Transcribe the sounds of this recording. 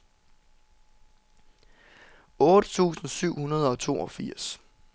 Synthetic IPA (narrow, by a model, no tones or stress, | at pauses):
ɔ̽ːɾ̥ət͡sʰṵːsn̩syʊ̰hunɐð̞ˠɒ̽t͡sʰo̝̰ːɒ̽fiɐ̰s